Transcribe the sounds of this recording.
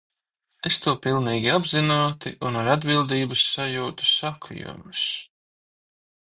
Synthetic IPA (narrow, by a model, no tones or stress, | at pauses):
est̪uɔpilˠniːɡʲiabzinuːt̪ḭʔunaɾad̪bilˠd̪iːbusːajuːt̪u̥sakʰṵjṵmus